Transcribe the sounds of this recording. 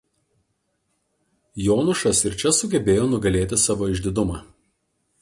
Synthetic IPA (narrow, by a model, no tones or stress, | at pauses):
joːnʊʃɐsɪɾt͡ʃʲɛsʊɡʲɛbʲeːjoːnʊɡɐlʲeːt̪ʲɪsɑːʋoːɪʒʲd̪ʲɪd̪ʊmɑː